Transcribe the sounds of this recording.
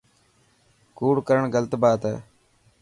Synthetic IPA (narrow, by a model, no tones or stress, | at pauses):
kuːɽkəɾəɳɡələt̪baːt̪ɛ̰ː